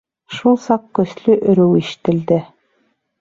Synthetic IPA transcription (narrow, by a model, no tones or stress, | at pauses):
ʃulˠsɑqkɵ̆slɵʔɵ̆ɾɵwiʃɘ̥̆t̪ɘ̆ld̪ɘ